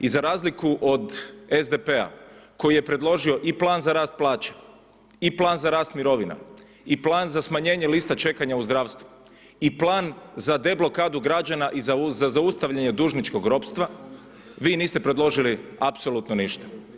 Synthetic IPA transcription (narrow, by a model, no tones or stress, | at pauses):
izaɾaːzlikuʔod̪ezd̪epea̰ko̞jije̞pɾe̞d̪lˠo̞ʒio̞ʔiplˠaːnzaɾaːst̪̚plˠaːt͡ʃe̥ | iplˠaːnzaɾaːst̪miɾo̞ʋina̰ | iplaːnzasmaɲe̞ːɲelist̪at͡ʃe̞kaɲauzd̪ɾaːʋst̪ʋu | iplaːnzad̪e̞blˠo̞kaːd̪uɡɾad͡ʒanaʔizazazaust̪aʋʎaɲe̞d̪uːʒnit͡ʃko̞ɡɾo̞pst̪ʋa | ʋiːniːst̪epɾe̞d̪lˠo̞ʒiliapso̞lut̪noniʃt̪ḁ